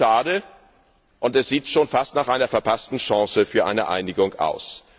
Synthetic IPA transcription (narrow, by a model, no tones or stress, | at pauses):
aːdə | ʔʊntɛsz̥iːtʃoːnfastnaːχʔaɪnɐfɛɐpʰastn̩ʃɑ̃ŋsəfyːɐʔa̰ɪnəʔa̰ɪnɪɡʊŋʔa̰ʊs